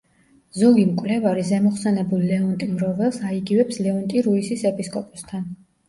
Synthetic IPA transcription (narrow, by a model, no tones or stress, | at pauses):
zɔɡimkʼvlɛvaɾizɛmɔχsɛnɛbulilɛɔnt̪ʼimɾɔvɛlˠsaiɡivɛpslɛɔnt̪ʼiɾuisisɛpʼiskʼɔpʼɔst̪ʰan